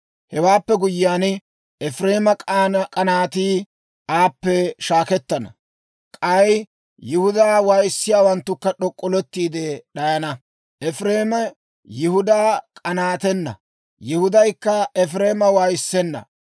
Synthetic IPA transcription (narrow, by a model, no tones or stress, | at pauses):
hɛwaːpːɛɡʊjɪjaːn | ɛfɾeːmɐkʼːkʼɐnaːt̪iː | aːpːɛʃaːkɛt̪ːɐnɐ̰ | kʼɐj | jɪhʊd̪aːwaːjɪsːɪjaːwɐnt̪ːʊkːɐɗɔkʼːɔlɔt̪ːiːd̪ɛɗɐjɐnɐ | ʔɛfɾeːmɐ | jɪhʊd̪aːkʼɐnaːt̪ɛnːɐ̰ | jɪhʊd̪ɐjkːɐɛfɾeːmɐwaːjɪsːɛnːɐ̰